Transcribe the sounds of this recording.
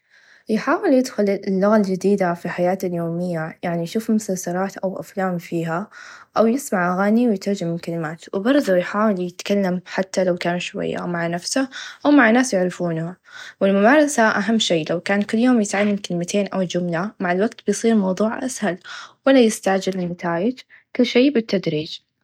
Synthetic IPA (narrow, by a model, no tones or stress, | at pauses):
jħaːwɪljɪd̪xʊllːʊɣald͡ʒɪd̪iːd̪afiħajaːt̪aljoːmɪjːajaʕnijʃuːfmʊsasɑɾˤɑːt̪ʔawʔa̰flaːmfiːɦaʔawjɪsmaʕʔaɣaːniwjt̪ɑɾˤd͡ʒɪmɪlkalɪmaːt̪wɪbɑɾˤðˤujħaːwɪljɪt̪kalːamħat̪ːalawkaːnuʃwa̰jːa̰maʕnafsaʔawmaʕnːaːsjɪʕɾɪfuːnhawɪlmʊbaːɾˤɑsaʔaɦamːʃeːlawkaːnkʊlːjoːmjɪt̪ʕalːamkɪlɪmat̪ʰeːnʔawd͡ʒʊmlamaʕalwaɡt̪̚bɪjsˤiːɾmɑwðˤuːʕʔa̰shalwalːajɪst̪aʕd͡ʒɪllɪnat̪aːjɪd͡ʒ | kʊlːʃeːbɪt̪ːad̪ɾiːd͡ʒ